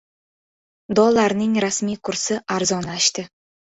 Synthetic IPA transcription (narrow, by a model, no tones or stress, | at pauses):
d̪ɒlˠaɾnɪŋɾasmijkʰʊɾsɪʔaɾzɒnaʃt̪ɪ